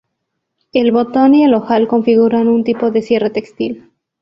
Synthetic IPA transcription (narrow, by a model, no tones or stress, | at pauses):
e̞lβo̞t̪o̞nie̞lo̞xalko̞ɱfiɣuɾanunt̪ipo̞ðesje̞re̞t̪e̞kst̪il